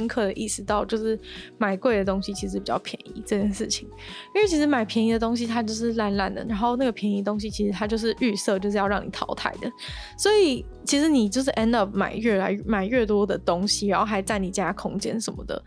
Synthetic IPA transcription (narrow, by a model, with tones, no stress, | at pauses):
ə˥nkʰɤ˥˩d̪ə˩ʔi˥˩sɹ̩˧˥t̪ɑ˥˧ʊt͡ɕjo˥˧ʊʂɻ̩˥˩ma˨˩ɪkwe˥˩ɪd̪ə˩t̪o˥ŋɕi˧˥t͡ɕʰi˧˥ʂ̬ɻ̩˧˥˩pi˨˩t͡ɕɑ˥˩pʰjɛ˧˦nḭ˧˥ʈ͡ʂɤ˥˧t͡ɕjɛ˥˧nʂɻ̩˥˩t͡ɕʰi˧˩ŋ˥˩ | t͡ɕʰi˧˥ʂ̬̩˧˥ma˨˩ɪpʰjɛ˧˥ni˧˥d̪ə˨˧t̪o˥ŋɕ̬i˧t̪ʰa˥t͡ɕjo˥˧ʊʂɻ̩˥˧la˥˧nla˥˩nd̪ə̰˩ɻa˧˥nxo˥˧ʊna˥˩ɡə˩pʰjɛ˧˥ni˧˥ət̪o˥ŋɕ̬i˧t͡ɕʰi˧˥ʂɻ̩˧t̪ʰa˥t͡ɕjo˥˧ʊʂ̬ɻ̩˥˧y˥˧sɤ˥˧t͡ɕjo˥˧ʊʂ̬ɻ̩˥˧jɑ˥˧ʊɻɑ˥˩ŋni˨˩t̪ʰɑ̰˧˥ʊt̪ʰa̰˨˩ɪd̪ə˩ | swɔ˧˥i˨˩ | t͡ɕʰi˧˥ʂɻ̩˧˥ni˨˩t͡ɕjo˥˧ʊʂ̬̩˥˩ʔɛ˦˥ndɑ˥˩p̚ma̰˨˩ɪɥɛ˥˩la˧˥ɪ˥ma˨˩ɪɥɛ˥˩t̪wɔ˥d̪ə˨t̪o˥ŋɕi˨˩ɻa˨˥nxo˥˩ʊxa˧˥ɪt͡sa˥˩ɪni˨˩t͡ɕa˥a˥kʰʊ˥ŋt͡ɕjɛ̰˥nʂə˧˥nmə̰˧d̪ə̰˩